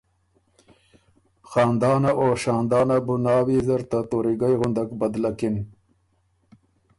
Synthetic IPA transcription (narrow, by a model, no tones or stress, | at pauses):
xɑːnd̪ɑːnaʔoʃɑːnd̪ɑːnabunɑːwizɐɾt̪at̪oɾiɡajɣʊnd̪akbɐd̪lakin